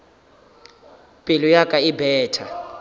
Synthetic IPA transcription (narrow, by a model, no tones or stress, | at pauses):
pʼilujakʼaibɛːtʰa